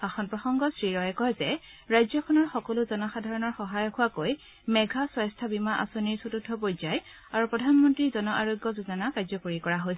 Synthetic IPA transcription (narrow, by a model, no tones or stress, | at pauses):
xaxɔnpɹɔxɔŋɡɔsɹiɹɔjɛkɔzɛ | ɹajzɔkʰɔnɔɹxɔkɔlʊzɔnɔxadʱaɹɔnɔɹxɔɦajɔkʰuwakoj | mɛɡʱaswajstʰabimaʔa̰soniɹsotudʱːɔpojzaj | aɹupɹɔdʱanmɔntɹizɔnɔʔaɹoɡːɔzuzɔnakazɔkoɹikɔɹaɦojsɛ